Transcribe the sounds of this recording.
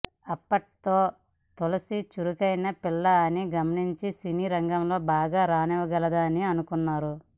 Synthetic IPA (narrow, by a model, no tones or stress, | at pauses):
ɐpːɐʈt̪o̞ː | t̪olɐsit͡ʃuɾukɐjnɐpilːɐɐniɡɐmɐniɲt͡ʃisiniːɾɐŋɡɐmlo̞ːbaːɡaːɾaːnɛʋɐɡɐlɐd̪aːniɐnukunːaːɾu